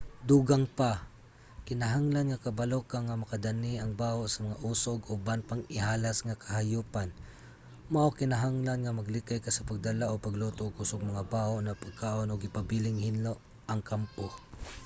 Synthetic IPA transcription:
d̪uːɡaŋpa | kɪnaɦaŋlanŋakɐbalokaŋamɐkad̪aniɐŋbaːhoʔsɐmɐŋaʔusoɡobanpaŋɪhalasŋakʰahajuːpan | maʔokɪnaɦaŋlanŋamaɡlɪkajkasɐpaɡ̚d̪alaʔopaɡlot̪oʔɡusoɡ̚mɐŋabaːhoʔnɐpaɡ̚kaːʔonoɡɪpabilɪŋhɪnloʔ | ʔɐŋkampo

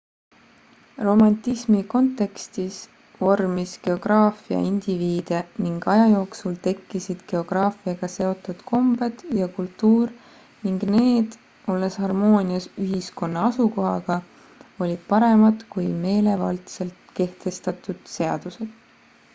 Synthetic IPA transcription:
ro̞mɑnt̪ːismiko̞nt̪ːˑe̞kst̪is | vo̞rmiske̞o̞ɡ̥rɑːfiɑ̰ind̪̥iviːd̪̥eniŋɡ̥ɑjɑjo̞ːksult̪e̞kːisid̪̥ke̞o̞ɡ̥rɑːfiɑɡ̥ɑse̞o̞t̪ːˑud̪̥kʰo̞mbed̪̥jɑkult̪ːuːr | niŋɡne̞ːd̪̥ | o̞lːeshɑrmo̞ːniɑsyɦisko̞nːɑɑsuko̞ɦɑɡ̥ɑ | o̞lʲid̪̥̚pɑɾe̞mɑd̪kujme̞ːle̞vɑlt̪se̞lt̪ke̞ht̪e̞st̪ɑt̪ːˑud̪̥se̞ɑ̰d̪̥use̞d̪̥

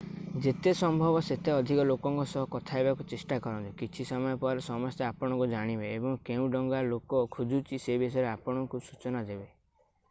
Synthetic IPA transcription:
d͡ʒet̪esɔmbʱɔbɔset̪eɔd̪ʱikɔlokɔŋkɔsɔɦɔkɔt̪ʰaebakut͡ʃesʈakɔɾɔnt̪ukit͡ʃʰisɔmɔjɔpuaɾesɔmɔst̪eapɔɽ̃ɔ̃ŋkud͡ʒaɽ̃ibeebɔŋkeũɖɔŋɡalokɔkʰud͡ʒʱut͡ʃʰisebisɔjɾeapɔɽ̃ɔŋkusut͡ʃɔnad͡ʒebe

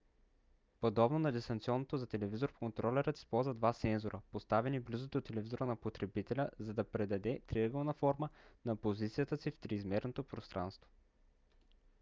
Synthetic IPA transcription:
pod̪ɔbnonɐd̪ist̪ɐnt̪siɔnːot̪ozɐt̪ɛlɛvizoɾfkont̪ɾɔlʲɛɾət̪i̥spɔlˠzvəd̪vat̪sɛnzoɾʔəpost̪avɛniblizot̪ot̪ːɛlɛvizoɾənɐpot̪ɾɛbit̪ɛlʲəzɐd̪ɐpɾɛd̪ɐd̪ɛt̪ɾiəɡəlˠnɐfɔɾmənɐpozit̪sijət̪əsift̪ɾiːzmɛɾnot̪opɾost̪ɾʔa̰nst̪vo̥

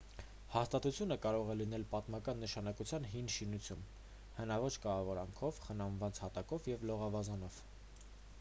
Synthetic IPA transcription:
hɑst̪ɑt̪ut͡sʰjunəkɑɾɔʁɛlinɛlpɑt̪mɑkɑnːəʃɑnɑkut͡sʰjɑnɦinʃinut͡sʰjum | hənɑvɔt͡ʃʰkɑɑvɔɾɑŋkʰɔvχənɑnvɑnt͡shɑt̪ɑkɔvjɛvlɔʁɑvɑzɑnɔv̥

